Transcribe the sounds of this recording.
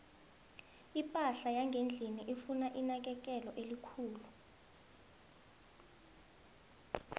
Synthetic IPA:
ipʼaɬajaŋɡʱend͡ɮʱiniʔifunaʔinak̬ɛk̬ʼɛlɔʔelikʰuːlu

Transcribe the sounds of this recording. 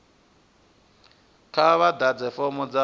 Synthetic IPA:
kʰaβad̪ad͡zɛfɔmɔd͡za

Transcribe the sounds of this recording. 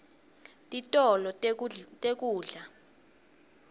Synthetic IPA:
tʼitʼɔlɔtʼek̬ʼuːɮa

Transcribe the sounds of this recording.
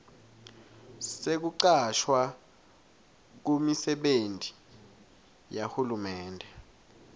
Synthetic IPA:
sek̬uǀaʃwa | k̬umisɛɓenti̥ | jahulumɛːndʱɛ

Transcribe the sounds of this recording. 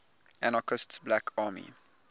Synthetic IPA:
æ̃nɔkʰɔstsblækʰɑːmḭ

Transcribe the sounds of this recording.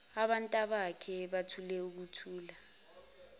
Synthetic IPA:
aɓantʼaɓakʰɛɓatʰulɛuk̬utʰuːla

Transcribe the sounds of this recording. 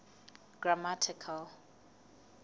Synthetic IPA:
ɡ̥ɹamatʰɪkʰal

